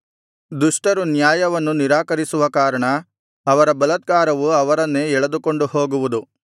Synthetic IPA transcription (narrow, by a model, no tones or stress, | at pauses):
d̪uʂʈɐɾunjaːjɐʋɐnːuniɾaːkɐɾisuʋɐkaːɾɐɳɐː | ʋɐɾɐbɐlɐt̪̚ɡaːɾɐʋuɐʋɐɾɐnːeːɛɭɐd̪uko̞ɳɖuho̞ːɡuʋud̪u